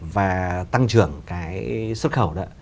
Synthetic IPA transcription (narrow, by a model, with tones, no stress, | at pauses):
vaː˨˩t̪a˧ŋt͡ɕɨ˧˩əŋkaː˨˦jswə˦˥t̚xə˧˩wɗɔ˨˦